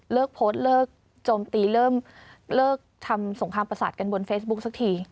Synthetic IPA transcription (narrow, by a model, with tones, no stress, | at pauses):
lɤː˥˩k̚pʰoː˦˥t̪̚lɤː˥˩k̚ | t͡ɕoː˧mt̪iː˧ɾɤː˥˩mlɤː˥˩k̚t̪ʰa˧mso˩˦ŋkʰɾaː˧pɾa˧sa̰ː˨˩t̪̚ka˧nbo˧nfeː˦˥bu˦˥k̚sa˧˥k̚t̪ʰiː˧